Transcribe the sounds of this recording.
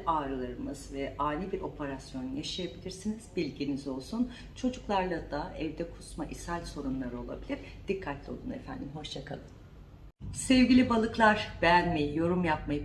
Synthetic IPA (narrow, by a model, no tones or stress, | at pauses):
ʔaːɾɯlˠaɾɯmɯz̥vɛʔaːnibiɾo̞pʰe̞ɾasjo̞nujaʃajabilʲiɾsiniz̥bilʲɟinizo̞lˠsun | t͡ʃʰo̞d͡ʒuklˠaɾlˠad̪aɛvd̪ɛkʰu̥smaʔisælʲso̞ɾumlˠaɾɯo̞lˠa̰bilʲiɾ̥ | d̪̥ikʰːat̪lʲio̞̰lˠunḛfæ̰nd̪imɦo̞ʃt͡ʃakʰa̰lˠɯm | sɛvɟilʲibalˠɯklˠaɾ̥b̥eɛjænmejijo̞ɾumjap̚maj